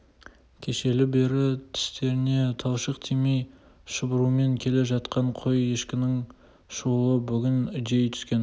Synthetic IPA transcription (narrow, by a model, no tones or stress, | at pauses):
kʲʰe̞ʃe̞lɪbe̞ɾɪt̪ʰɪ̥st̪e̞ɾɪne̞t̪ʰɑwʃəqt̪ʰimej | ʃəbʊɾume̞ŋkʲʰe̞le̞ʒɑt̪qɑɴqʰo̞je̞ʃkʲɪnɪŋ | ʃolˠəbʏɡʲɪnɪd̪e̞jt̪ʰʏ̥skʲe̞n